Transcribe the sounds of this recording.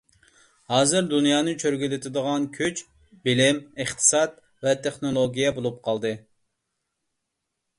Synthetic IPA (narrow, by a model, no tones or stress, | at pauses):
hɑːzɨɾd̪unjɑːnɨt͡ʃʰøɾɡʲylɪt̪ʰɪd̪əʁɑnkʲʰøt͡ʃ | bɪlɪmɨχt̪ʰɨ̥sɑt̪ | vɛt̪ʰeχnolˠoɡʲijɛbolˠup̚qʰɑlˠd̪ɨ